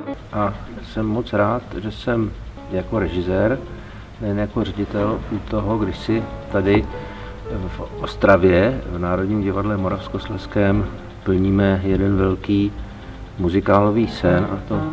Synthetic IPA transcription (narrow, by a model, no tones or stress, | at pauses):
ʔasɛmːo̞t͡sɾaːt̪ʒɛsɛm | jako̞ɾɛʒɪzɛːɾ | nɛjnɛjakorɛɟɪt̪ɛlut̪o̞ɦo̞ɡdɪʃsɪt̪adɪ | fʔost̪ɾavjɛvnaːɾo̞dɲiːmɟɪvadlɛmoɾafsko̞slɛskɛːm | pl̩ɲiːmɛjɛdɛnvɛlkiː | muzɪkaːlo̞viːsɛnʔa̰t̪o̞